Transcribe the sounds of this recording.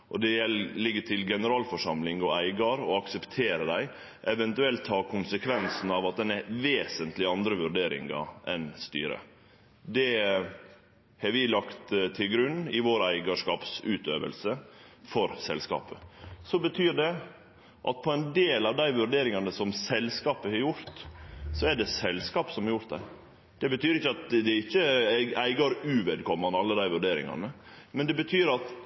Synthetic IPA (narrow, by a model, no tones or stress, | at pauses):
ʔɔd̪ɛjɛllɪɡːəʈʰɪlɡɛnəɾɑːlfɔʂɑmlɪŋɔæɪɡɑɾɔɑksəpt̪ʰeːɾəd̪æɪ | ʔɛʋɛnt̪ʉɛlt̪ʰːɑːɾkʰʊnsəkʰʋɛnsn̩ɑʋɑt̪̚d̪ɛnɛʋeːsənt̪lɪɑnd̪ɾəʋʉɾɖeːɾɪ̰ŋɑ̰ʔɛnst̪y̰ːɾə̰ | d̪ɛ | hɑɾʋɪlɑkt̪t̪ʰɪlɡɾʉnːɪʋoːɾæɪɡɑʂkɑːpsʉːt̪øːʋə̰lsəfɔɾsɛ̰lskɑ̰ːpəsɔbət̪ʰyːɖɛ | ʔɑ̰t̪̚pʰɔɛnd̪eːlɑʋd̪æɪʋʉɾɖeːɾɪŋɑnəsɔmsɛlskɑːpəhɑɾjʊɾt̪sɔæɖɛsɛlskɑːpsɔmhɑɾjʊɾt̪d̪ɛ̰ | d̪̥ɛbət̪yːɾɪçːəɑt̪d̪ɛɪçːəɡæɪɡɑɾʉʋɛd̪kʰɔmːɑnɑlːəd̪æɪʋʉɾɖeːɾɪ̰ŋɑ̰nə | mɛnd̪ɛbət̪ʰyːɾɑt̪